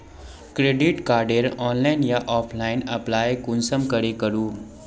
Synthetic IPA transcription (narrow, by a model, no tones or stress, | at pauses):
kɾeɖiʈkaɾɖeɾɔnlainjaʔɔpʰlaina̰plaekunsəmkəɾekəɾuː